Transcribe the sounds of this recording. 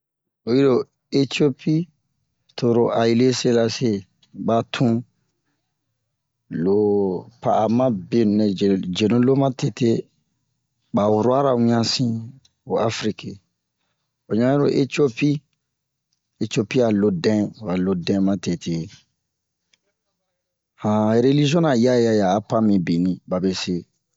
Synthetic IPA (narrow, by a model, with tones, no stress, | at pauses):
o˨ji˦do˨ | e˦ti˦o˦pi˦ | to˨ɾo˨ʔa˨i˦le˦se˦la˦se˦ | ba˨˦tʰũ˦ | lo˨pa˨a˨mã˦be˨nũ˨nɛ˨d͡ʒe˨nũ˦lo˦mã˦te˨te˦ | ba˨wu˨ɾo˦a˦ɾa˨wũ˦ã˦sĩ˦ | o˨a˦fɾi˦ke˨ | o˨ɲã˦ɾo˦ʔe˦to˦pi˦ | e˨to˦pi˦a˨lo˦dɛ̃˦˨a˨lo˦dɛ̃˦mã˦te˨te˨ | ã˨ɾe˦li˦ʒi˦ɔ̃˦na˨ja˦ja˦jaː˨˦pã˦mĩ˨bi˨nĩ˨ba˨be˨se˦